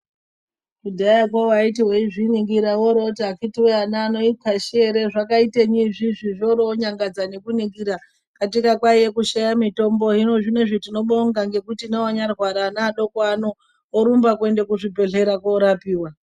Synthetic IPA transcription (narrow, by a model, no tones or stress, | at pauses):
kudʱaakwowaitiweiʐiniɡiɾawoɾotiakitiweanaːno̞itʰaʃeɾe̞ʐakaiteɲiʐiʐiʐoɾoɲaŋɡad͡zane̞kuniɡiɾa | katikakwajekuʃajamito̞mbo̞ɦino̞ʐine̞ʐitino̞ɓoŋɡaŋɡe̞kutinewaɲarwaɾaːnaːɗokwanoː | ɾumbakwe̞nde̞kuʐibʱe̞ɮe̞ɾakoɾapiːwa